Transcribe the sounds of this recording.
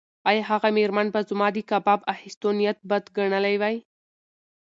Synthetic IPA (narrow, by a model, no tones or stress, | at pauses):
ɑjɑɦaɣameɾmanbazʊmɑd̪ikabɑbahɪst̪onijat̪̚bad̪ɡaɳəlajwaj